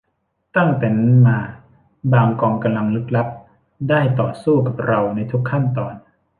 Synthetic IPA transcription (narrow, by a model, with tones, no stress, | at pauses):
t̪a˥˩ŋt̪e˨˩n˥maː˧ | baː˧ŋkɔː˧ŋka˧mla˧ŋlɯ˦˥k̚la˦˥p̚ | daː˥˩jt̪ɔ̰ː˨˩suː˥˩ka˨˩p̚ɾa˧wna˧jt̪ʰu˦˥kʰːa˥˩nt̪ɔː˨˩n